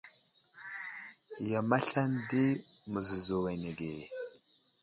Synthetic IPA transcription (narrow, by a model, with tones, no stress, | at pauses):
ja˨ma˦ɬa˦ndi˦ | mə˨zə˨zu˨we˨ne˨ɡe˨